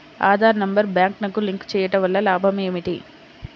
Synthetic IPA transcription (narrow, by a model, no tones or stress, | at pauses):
a̰ːd̪ʱaːɾnɐmbɐɾbjaːŋknɐkuliŋkt͡ʃɛːjɐʈɐʋɐlːɐlaːbʱɐmeːmiʈḭ